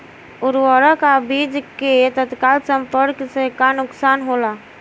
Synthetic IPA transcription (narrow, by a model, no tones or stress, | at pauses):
ʊɾwəɾəkabid͡ʒket̪ət̪kalsəmpəɾksekanʊksanɦola